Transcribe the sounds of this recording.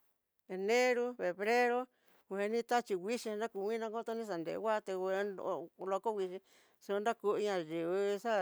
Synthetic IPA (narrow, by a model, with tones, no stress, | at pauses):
e˨nẽ˦ɾu˦βe˨βɾe˦ɾo˦ | wʷe˧˦nĩ˦t̪a˦t͡ʃi˧wʷi˦ʃĩ˧nã˦ku˧˨wʷĩ˦nã˧ko˦t̪o˧˦nĩ˦s̬a˨nd̪ḛ˨ʔwʷa˦˧t̪e˧e˧˦o˧lo˧ko˦ɣʷi˧ʃĩ˧ | su˧nda˦ku˧ɲã˧ʒi˨βɨ˧sa˦